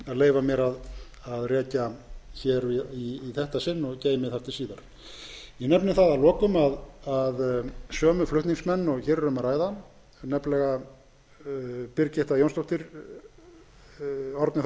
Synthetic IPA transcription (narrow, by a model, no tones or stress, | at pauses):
aðleːjvamjɛɾað | aðrɛːcaçɛːɾiiːθɛht̪asɪnːɔɣcaːjɪmɪθaft̪ʰɪlsiːðaɾ̥ | jɛnɛpnɪθaðalɔːkʏmaðaðsœːmʏflʏht̪niŋksmɛnːɔɣçɛːɾɾʏmaɾaːjða | nɛplɛɣa | pɪɾcɪht̪ajownst̪owht̪ɪɾ̥ | ɔɾt̪nɪ